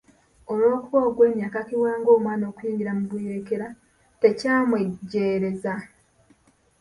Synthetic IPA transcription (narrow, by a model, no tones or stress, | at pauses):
o̞mwoːkuβoːɡwe̞ːmjaːkakiwaːŋɡo̞ːmwaːno̞ːkujiːɲɟiɾamuβwiːɾeke̞ɾa | te̞caːmweɟːe̞ːɾe̞za